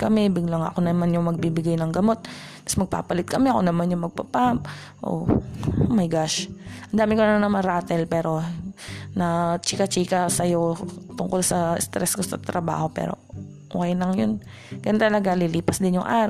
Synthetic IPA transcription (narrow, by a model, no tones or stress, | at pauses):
kɐmɛbɪɡlɐŋɐ̰konɐmanjʊŋmɐɡ̚bibɪɡajnɐŋɡɐmo̞t̪̚pɐ̥smɐɡ̚pa̰ːpɐlɪt̪̚kɐmɛɐko̞nɐmanjʊŋmɐɡ̚pɐpap | ʔo̰ʔomɐjɡaʃʔɐnd̪aːmɪkonɐnɐnɐmɐnɾaːt̪ɛlpɛːɾo̞ | nɐt͡ʃikɐt͡ʃiːkɐsɐjot̪ʊŋkolsɐɪst̪ɾɛskosɐ̰t̪ɾɐba̰ːho̞pɛ̰ːɾo̞̰ | ʔoːkɛjnɐŋjon | ɡɐnt̪ɐlɐɡaliliːpɐsd̪ɪnjʊŋʔaːɾ